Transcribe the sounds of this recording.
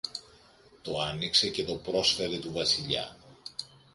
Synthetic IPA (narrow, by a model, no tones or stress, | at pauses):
t̪oɐnikse̞ce̞t̪o̞pɾo̞sfe̞ɾet̪uvɐsiʎɐ̰